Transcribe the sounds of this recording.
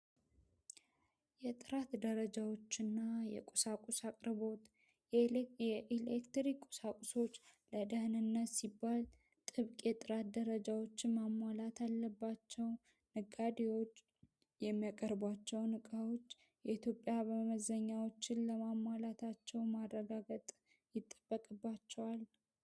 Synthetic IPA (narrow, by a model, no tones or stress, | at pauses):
jɛt̪ʼɨɾat̪d̪əɾəd͡ʒawo̞t͡ʃːɪnːajɛ̰kʼosakʼusakʼɾɨbo̞t̪ | jɛʔilekt̪ɾikʼo̥sakʷʼuso̞t͡ʃːləd̪əhnɨnːət̪sibːal | t̪ʼɨβkʼjɛt̪ʼɨɾat̪d̪əɾəd͡ʒawo̞t͡ʃːɪnmamːwalat̪ʰalːəbːat͡ʃːɛw | nɨɡad̪ewo̞t͡ʃː | jɛmːijakʼəɾbwat͡ʃːɛwnɨkʼawo̞t͡ʃː | jɛit̪jo̞pʼːjaβəməzəɲːawo̞t͡ʃːɪnləmamwalat̪ʰat͡ʃːɛwmarːəɡaɡət̪ʼ | jɪt̪ʼːəbːəkʼɨbːat͡ʃːɛwal